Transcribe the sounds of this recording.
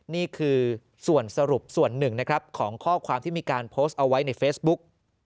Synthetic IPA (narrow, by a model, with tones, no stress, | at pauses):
niː˥˩kʰɯː˧ | su˨˩ənsa˧ɾu˨˩p̚su˨˩ənːɯ˨˩ŋna˦˥kʰɾa˦˥p̚kʰɔː˩˦ŋkʰɔː˥˩kʰwaː˧mt̪ʰiː˥˩iː˧kaː˧npʰoː˦˥st̪̚ʔa˧wa˦˥jna˧jfeː˦˥sbu˦˥k̚